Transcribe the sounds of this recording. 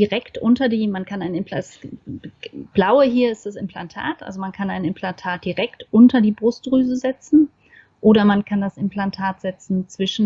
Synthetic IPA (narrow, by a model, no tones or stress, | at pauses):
diʁɛktʔʊntɐdiːmankʰanaɪnɪmps | b̥laʊəɦiːɐɪstd̥asɪmpl̥antʰa̰ːtʔa̰lzomankʰanaɪnɪmpʰlantʰaːt̚d̥iʁɛktʔʊntɐdiːbʁʊst̚ʁyːzəzɛt͡sn̩ | ʔoːɾɐmankʰandasɪmplantʰaːtz̥ɛt͡sn̩t͡sv̥ɪʃn̩